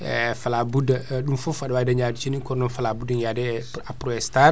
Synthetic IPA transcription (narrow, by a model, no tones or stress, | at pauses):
ɛfalabudaɗumfufadwaːidaɲaːdit͡ʃinikɔɾnɔnfalaːbudiŋjaːdɛapɾɔɛstaɾ